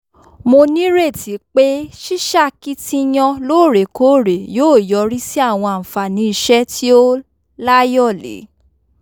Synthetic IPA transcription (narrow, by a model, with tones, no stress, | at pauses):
mo˧nĩ˦ɾe˦˨ti˨˦k͡pe˦ʃi˦ʃa˦˨ki˦tĩ˧j̃ɔ̃˧loː˦˨ɾe˨ko˦˨ɾe˨joː˦˨jɔ˨˦ɾi˦si˦a˦˨w̃ɔ̃˧a˨m̩˨fa˨nĩ˨˦i˧ʃɛ˦ti˦o˦ | la˦jɔ˦˨lḛ˨˦